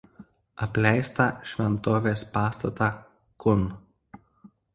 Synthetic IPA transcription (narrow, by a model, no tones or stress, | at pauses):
ɐpʲlʲɛɪst̪ɑˑʃʲʋʲɛnt̪oːʋʲeːspɑːst̪ɐt̪ɑː | kʊn